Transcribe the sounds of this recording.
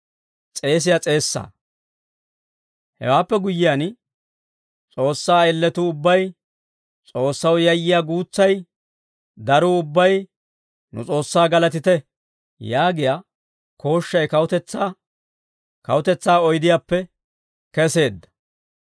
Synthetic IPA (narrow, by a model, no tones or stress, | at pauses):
t͡sʼe̞ːs̬ɪjat͡sʼe̞ːsːa̰ː | hɛ̰waːpːɛɡʊjːɪjaːn | t͡sʼo̞ːsːaːɛlːɛt̪uːʊbːɐj | t͡sʼo̞ːsːɐwjɐjːɪjaːɡuːt͡sːɐj | d̪ɐɾuʊbːɐj | nʊ̰t͡sʼo̞ːsːaːɡɐlɐt̪ɪt̪ɛ | jaːɡɪjaː | ko̞ːʃːɐjkɐwʊt̪ɛt͡sːa | kɐ̰wʊt̪ɛt͡sːaːɔjd̪ɪjaːpːɛ | kɛse̞ːd̪ːɐ̥